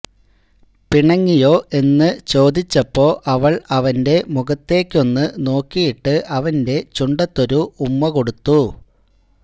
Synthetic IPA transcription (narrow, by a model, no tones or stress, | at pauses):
piɳɐŋːijo̞ːʔe̞nːɨt͡ɕo̞ːd̪it͡ɕːɐpːo̞ːʔɐʋɐɭɐʋɐnde̞muɡɐt̪ːe̞ːkʲːo̞nːɨno̞ːkːijiʈːɨʔɐʋɐnde̞t͡ɕuɳɖɐt̪ːo̞ɾuːmːɐko̞ɽut̪ːu